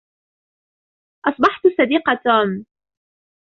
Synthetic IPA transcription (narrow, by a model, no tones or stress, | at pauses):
ʔɑsˤbɑħt̪sˤɑd̪iːqɑt̪aːm